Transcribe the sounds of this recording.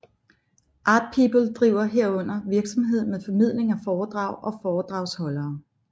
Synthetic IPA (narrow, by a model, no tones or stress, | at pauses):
ʔɑ̈ːd̥̚pʰibl̩d̥ʁiʊ̰ɐɦeɐ̰ɔ̽n̰ɐʋiɐɡ̥sɒ̽mɦe̝ð̞̰ˠmeðˠfɒ̽mið̞̰ˠle̝ŋæfɒːd̥ʁɑ̈ʊ̰ʔɒ̽fɒːd̥ʁɑ̈ʊshɒ̽lɐː